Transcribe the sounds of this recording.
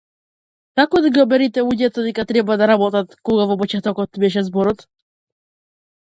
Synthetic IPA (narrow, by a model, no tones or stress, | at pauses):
kakɔd̪aɡiɔbɛɾit̪ɛuɟɛt̪ad̪ɛkat̪ɾɛbad̪aɾabɔt̪at̪kɔɡavɔp̬ɔt͡ʃɛt̪ɔkɔt̪bɛʃɛzbɔɾɔt̪